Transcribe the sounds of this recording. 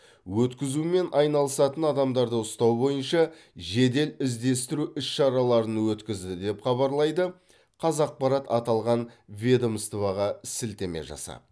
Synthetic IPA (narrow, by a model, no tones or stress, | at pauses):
wɵt̪kʲɪzume̞nʔɑjnɑlˠəsɑt̪ənɑd̪ɑmd̪ɑɾd̪əʊst̪ɑwbo̞jənʃɑ | ʒe̞d̪e̞lɪzd̪e̞st̪ɪɾuʔʏsʃɑɾɑlˠɑɾənwɵt̪kʲɪzd̪ɪd̪e̞pχɑβɑɾlˠɑjd̪ə | qʰɑzɑq̚pɑɾɑt̪ɑt̪ɑlˠʁɑnvʲed̪omst̪vɑʁɑsɪlt̪e̞me̞̰ʒɑ̰sɑ̰